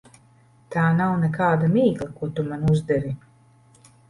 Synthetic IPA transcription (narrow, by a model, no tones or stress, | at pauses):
t̪aːnawnɛkaːd̪amiːɡlˠakuɔt̪umanuzd̪ɛɾi